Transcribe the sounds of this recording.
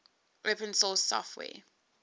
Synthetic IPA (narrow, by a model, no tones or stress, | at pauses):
ɹɛpʰɹə̃nsɔsɔ̰fwɛ̰ː